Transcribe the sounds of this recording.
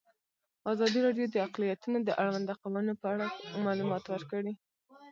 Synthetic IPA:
azɑd̪iɾɑɖjod̪əaqlijat̪unod̪əʔaɽwand̪aqawənopəaɽamɑlumɑt̪wəɾkəɽi

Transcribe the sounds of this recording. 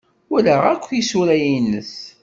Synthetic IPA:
ʊləʁækʷːisuɾæjinːəs

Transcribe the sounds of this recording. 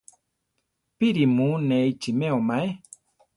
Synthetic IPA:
piɾimunejt͡ʃimeomae

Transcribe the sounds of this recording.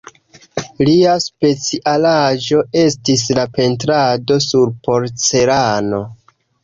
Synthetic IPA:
liaspe̞t͡siʔalad͡ʒo̞e̞stis̬lape̞ntɾado̞suɾpo̞ɾt͡se̞ɾano̞

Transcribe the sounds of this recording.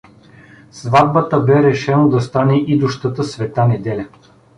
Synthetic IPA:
svad̪̚bət̪əbɛɾɛʃɛnod̪ɐst̪anɛʔid̪ʊʃt̪ət̪əsvɛt̪anɛd̪ɛlʲɐ

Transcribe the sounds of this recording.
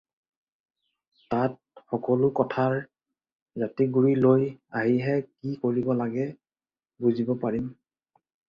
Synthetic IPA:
tat̚ | xɔkɔlʊkɔtʰaɹ | zatiɡuɹilojaɦiɦɛkikoɹibɔlaɡɛ | buzibɔpaɹim

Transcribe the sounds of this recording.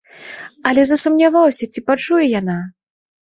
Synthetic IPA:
ɐlʲɛzɐsumnʲavawsʲɐt͡sʲipat͡ʂujɛjana

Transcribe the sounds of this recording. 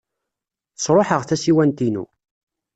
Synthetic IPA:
θəsˤɾˤoħəʁθæsiwænt̪inṵ

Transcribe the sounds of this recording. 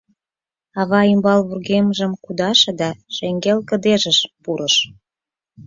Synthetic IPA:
ɑβɑimbɑlβurɣemʒə̆mkud̪ɑʃɤ̆d̪ɑʃeŋɡelkə̆d̪eʒə̆ʃpuɾəʃ

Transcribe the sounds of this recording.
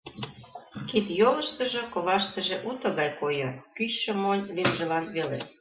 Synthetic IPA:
kit̪jolə̆ʃt̪ə̆ʒɤ̆koβɑʃt̪ə̆ʒĕʔut̪ɤ̆ɣɑjkojɤkyɕːɤ̆monʲlimʒə̆lɑnβelḛ

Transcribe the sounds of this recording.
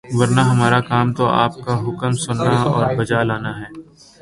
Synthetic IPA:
ʋɐɾnaɦɐmaːɾakaːmt̪oa̰ːp̚kaɦʊkəmsʊnːaɔːɾbɐd͡ʒalaːnaɦɛː

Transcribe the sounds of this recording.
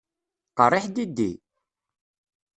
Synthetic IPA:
qərˤːɪħd̪id̪ːḭ

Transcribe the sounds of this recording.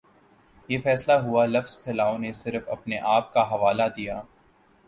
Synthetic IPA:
jeːfɛːslaɦualɐfz̥pʰɛːlaːonesɪɾfɐ̰pneʔaːp̚kaɦɐʋaːlad̪ijaː

